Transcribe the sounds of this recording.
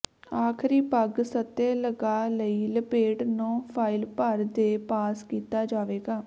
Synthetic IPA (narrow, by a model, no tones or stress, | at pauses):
aːkʰɾiːpəɡsət̪ːeːləɡaːləiːləpeːʈnõːpʰaːɪlpəɾd̪eːpaːskiːt̪aːd͡ʒaːʋeːɡaː